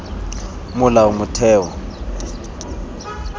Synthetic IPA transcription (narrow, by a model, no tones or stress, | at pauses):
mʊlaumutʰɛːwɔ